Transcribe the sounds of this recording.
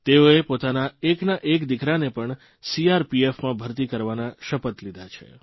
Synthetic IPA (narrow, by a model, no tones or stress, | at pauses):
t̪eoepot̪anaeknaʔekd̪ikɾanepəɳ | siaɾpiefmãbʱəɾt̪ikəɾʋanaʃəpət̪lid̪ʱat͡ʃʰḛ